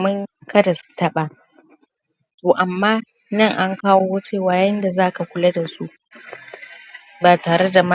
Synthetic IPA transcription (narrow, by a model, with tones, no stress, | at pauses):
mɪ˦ŋkʰɐ˦dɐ˨stɐ˦ɓa˨ | toː˨ʔa˨mːaː˦ | nɐ˦˨ŋʔa˦ŋkaː˦woː˦wɐ˦t͡ʃeː˦˨waː˦jɐ˦nda˨zaː˦ka˨kʷʊ˦la˦da˨su˦ʔ | baː˨taː˨ɾe˦da˨ma˦